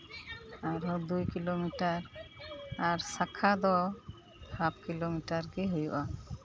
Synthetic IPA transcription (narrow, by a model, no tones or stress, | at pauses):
aɾɔd̪ujkilomiʈaɾ | aɾsakʰad̪ɔ | hap̚ʰkilomiʈaɾkiɦujuʔa